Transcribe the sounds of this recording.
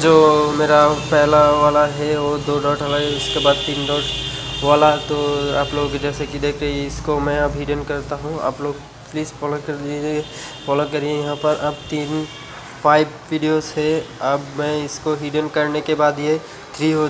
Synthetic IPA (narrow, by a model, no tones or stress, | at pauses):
d͡ʒoːmeːɾapɛɦlaʋaːlaɦɛɔːɾd̪oːɖɔːʈʰalaɦɛʊskebaːd̪̚t̪iːnɖɔːʈʋaːlat̪oaːploːɡd͡ʒɛːsekid̪eːkʰɾeɪskomɛ̃ɐbɦiːɖənkɐɾt̪aɦũa̰ːploːɡ | pliːzfɔːlokɐɾd̪ie | fɔːlokɐɾiẽjɐɦãpɐɾʔɐb̚t̪iːn | pʰaːɪbʋiːɖijozɦɛɐbmɛ̃ɪskoɦiːɖənkɐɾnekebaːd̪je | t̪ʰɾiɦo